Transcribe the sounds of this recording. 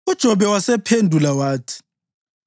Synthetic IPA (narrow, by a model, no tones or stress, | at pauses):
ud̥ʒ̥ʱɔβɛwasɛpʰendʱulawaːtʰi̥